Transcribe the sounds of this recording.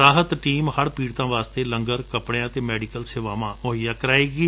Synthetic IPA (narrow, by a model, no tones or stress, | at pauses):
aːɦət̪ʈiːmhəɽpiːɽt̪ãːʋaːst̪eːləŋɡəɾkəpɽãːt̪eːmɛːɖɪkəlseːʋaːʋãːmʊɦəjãːkəɾaːeːɡiː